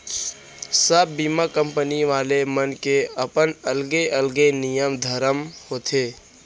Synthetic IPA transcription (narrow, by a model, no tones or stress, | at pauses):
səbːiːmakə̃mpəniʋaːlemənkeəpənəlɡeʔəlɡenijəmd̪ʱəɾəmhoːt̪ʰeː